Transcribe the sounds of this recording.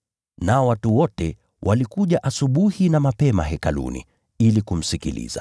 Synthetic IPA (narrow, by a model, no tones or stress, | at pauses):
naɔwatuwɔtɛ | wʔalikuʄaʔasuɓuhinamapɛma̰ɦɛkalṵnḭ | ilikum̩sikḭlḭza̰